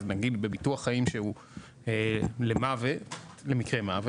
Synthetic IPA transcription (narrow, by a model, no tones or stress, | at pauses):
naɡid̪be̞bituɐχːaimʃehu | elemave | le̞mikʁemave